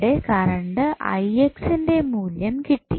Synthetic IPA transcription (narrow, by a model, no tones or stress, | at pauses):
ɽekɐɾɐɳɖɨʔɐ̰jeksinde̞muːljɐmkiʈːḭ